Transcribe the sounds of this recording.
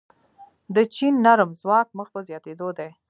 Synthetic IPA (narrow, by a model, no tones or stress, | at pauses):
d̪ət͡ʃinːaɾəmzwɑk̚məxpəzjɑt̪ed̪od̪e